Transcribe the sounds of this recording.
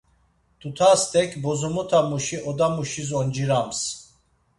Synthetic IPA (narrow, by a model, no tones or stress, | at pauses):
t̪ʰut̪ʰast̪ʰɛkʰbɔzɔmɔt̪ʰamuʃiɔd̪amuʃizɔnd͡ʒiɾams